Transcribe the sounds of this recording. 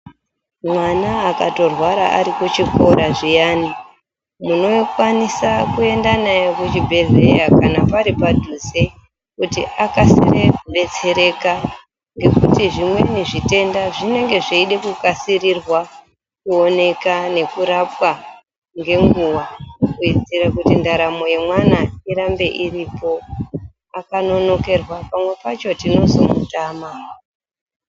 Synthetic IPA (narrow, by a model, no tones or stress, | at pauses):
mwanaːkato̞rwaɾa̰ʔa̰ɾikut͡ʃiko̞ɾaʐijaːni | muno̞kwanisakue̞ndanajekut͡ʃibʱe̞ɮe̞jakanapaɾipadʱuze | kutḭʔakasḭreɓe̞t͡se̞ɾe̞ka | ŋɡe̞kutiʐimwe̞̰niʐite̞ndaʐine̞ŋɡe̞ʐeiɗe̞kukasirirwa | kuo̞ne̞kane̞kuɾapwa | ŋɡe̞ŋɡuwakuid͡ziɾakutindaɾamo̞je̞mwanaiɾambe̞ʔiripo̞ | akano̞no̞ke̞rwapamwe̞pat͡ʃo̞tino̞zo̞̰mṵtaːma